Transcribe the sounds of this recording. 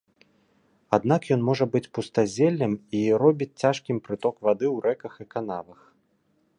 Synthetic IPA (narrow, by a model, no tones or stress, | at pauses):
ad̪n̪akjɔnmɔʐɐbɨt͡sʲpust̪azʲɛlʲːɐmiɾɔbʲit͡sʲt͡sʲaʂkʲimpɾɨt̪ɔkvad̪ɨwɾɛkɐxɨkanavɐx